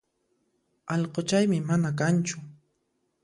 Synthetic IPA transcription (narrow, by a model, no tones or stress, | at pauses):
ɑʎqot͡ʃajmɪmanak̬ant͡ʃʊ